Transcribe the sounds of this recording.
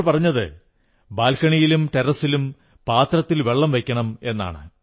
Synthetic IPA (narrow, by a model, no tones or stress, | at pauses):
ɭpɐrɐɲːɐðɨ̰ | baːlkɐɳijilumʈeɾɐsilum | paːt̪rɐt̪ːilʋe̞ɭːɐmʋe̞kʲːɐɳɐme̞nːa̰ːɳɨ̰